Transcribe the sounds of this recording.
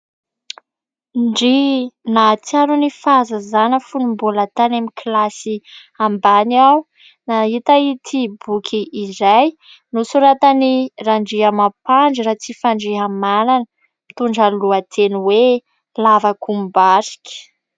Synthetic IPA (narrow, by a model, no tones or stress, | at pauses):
ɳɖ͡ʐinat͡saɾunifazəzanəfunumbulat̪anamikilasi | ambanaw | nait̪ait̪ʰibukʲʰiʔːzaj | nusuɾat̪aniraɳɖ͡ʐiɦamapaɳd͡ʒiɾat͡sifaɳɖ͡ʐiɦamalanə | mit̪uɳɖ͡ʐaluat̪ʰenuwe | lavakʰumbaɾi̥kʲə̥